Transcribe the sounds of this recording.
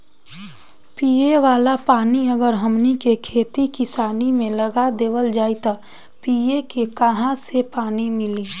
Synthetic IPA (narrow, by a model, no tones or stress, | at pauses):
piːeʋaːlapaːniəɡəɾɦɐmnikekʰeːt̪ikɪsaːnimẽlɐɡad̪eːʋəld͡ʒaːit̪a | piːekekɐɦãsepaːnimɪliː